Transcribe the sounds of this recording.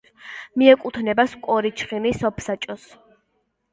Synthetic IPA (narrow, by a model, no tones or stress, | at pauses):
miɛkʼut̪ʰnɛbaskʼɔɾit͡ʃʰχinisɔpʰsat͡ʃʼɔs